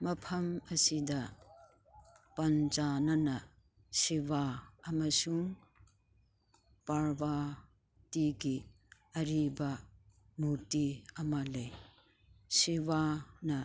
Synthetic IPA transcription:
mɐpʰɐmɐsidɐ | pɐnd͡ʒanɐnɐ | sibaɐmɐsuŋ | paɾba | tiɡi | ɐɾibɐ | muɾtiɐmɐlɐj | siβanɐ

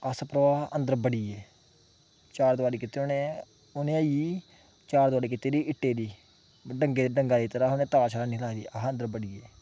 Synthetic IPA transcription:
əsəpɾəʋaːɦənd̪əɾbəɽiːeː | t͡ʃaːɾd̪ʊʋaːɽiːkɪt̪ːeːonẽː | ʊnẽːəiiː | t͡ʃaːɾd̪ʊaːɽiːkɪt̪eːd̪iːɪʈːeːd̪iː | ɖəŋɡeːd̪ɖəŋɡaːd̪iːt̪əɾaːɦʊnẽːt̪aːt͡ʃʰəɾaːnĩlaːʋiːəɦənd̪əɾbəɽiːeː

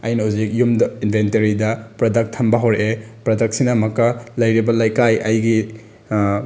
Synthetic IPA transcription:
ɐjnɐhuzik̚jumdinbʱentɐɾidɐpɾɐdɐk̚tʰːɐmbɐɦoɾeʔepɾɐdɐk̚sinɐmɐkːɐlɐjɾibɐlajkajʔɐjɡi

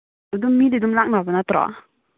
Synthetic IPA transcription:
udumːididumlak̚nabanat̪ɾɔ̰

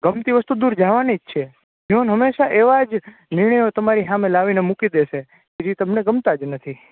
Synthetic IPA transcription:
ɡəmt̪iʋəst̪ud̪uɾd͡ʒaʋanid͡ʒt͡ʃʰe | d͡ʒionɦəmːeʃaʔeʋad͡ʒ | nɪɾɳəjot̪əmaɾiɦamelaʋinemukid̪eʃe | ked͡ʒit̪əmneɡəmt̪ad͡ʒnət̪ʰi

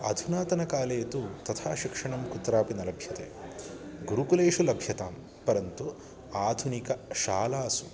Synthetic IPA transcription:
ɐ̰d̪ʱunaːt̪ɐnɐkaːleːt̪ut̪ɐt̪ʰaːʃikʂɐɳɐmkut̪ːɾaːpinɐlɐbʱjɐt̪ḛː | ɡuɾukuleːʂulɐbʱjɐt̪aːm | pɐɾɐnt̪u | aːd̪ʱunikɐʃaːlaːsu̥

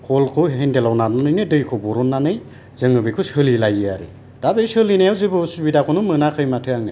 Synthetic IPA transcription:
kʰɔlkʰɯwɦendelawnananɯjnɯdɯjkʰɔbɔɾɔnːanɯj | z̥ɯŋɯbɯjkʰɯwsɯlilajɯaɾɯ̰ | d̥abejsɯlinajawzɯbɯsubidakʰunumɯnakʰɯjmatʰɯjaŋna̰j

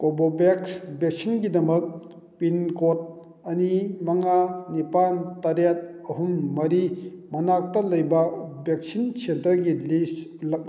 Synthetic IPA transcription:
kobobeksbek̚sinɡidɐmɐk̚ | pinkot̚ | ɐnimɐŋanipantɐɾjat̚ɐɦumːɐɾimɐnak̚tɐlɐjbɐbek̚sinsʰentɾɐɡilislɐk̚

